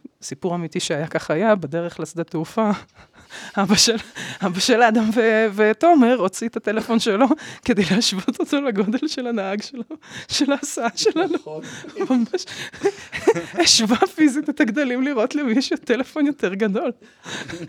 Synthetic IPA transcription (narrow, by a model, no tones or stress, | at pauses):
sipuʁamitiʃeajakaχajabed̪eʁeχlasd̪ateufa | abaʃelabaʃelaːd̪amveveto̞meʁot͡siet̪atelefo̞nʃelo̞ked̪ejlehaʃvot̪otolaɡo̞d̪e̞lʃe̞lanaaɡʃelauʃe̞laːsaaʃe̞lanumamaʃ | eʃvafizit̪et̪aɡd̪alimliʁʔo̞tlemiʃjot̪ele̞fo̞njo̞teʁɡad̪o̞l